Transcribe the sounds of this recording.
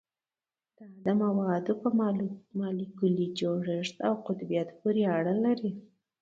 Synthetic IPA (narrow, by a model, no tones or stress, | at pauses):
d̪̥əad̪amawɑd̪opəmɑlikulid͡ʒoɽəʂt̪awqʊt̪bijat̪puɾeaɽəlaɾi